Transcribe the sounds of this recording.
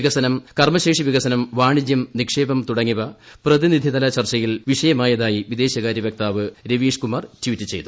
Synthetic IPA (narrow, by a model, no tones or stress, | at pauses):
iɣɐsɐnɐmkɐrmɐɕe̞ːkʂiʋiɣɐsɐnɐmʋaːɳid͡ʑjɐmnikʂe̞ːbɐmt̪uɽɐŋːiʋɐprɐðinid̪ʱiðɐlɐt͡ɕɐrt͡ɕɐjilʋiʂɐjɐmaːjɐðaːjiʋid̪e̞ːɕɐɣaːɾjɐʋjek̚t̪aːʋɨɾeʋiːʂkumaːrtwitːɨt͡ɕe̞̰jt̪u